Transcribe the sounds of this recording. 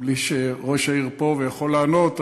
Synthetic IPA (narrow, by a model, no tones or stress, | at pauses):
bliʃeʁoʃaiʁpo̞vejaχo̞laanot̪